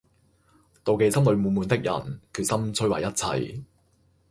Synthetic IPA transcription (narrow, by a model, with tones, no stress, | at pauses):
t̪o˨wke˨˧jsɐ˥mlɵ˨˧ɥmuː˨˧muː˨˧nt̪ɪ˥k̚jʔɐ̰˨˩nkʰyː˨t̚sɐ˥mt͡sʰɵ˥ɥwɐ̰˨˩jɐ˥t̚t͡sʰɐ̰˧j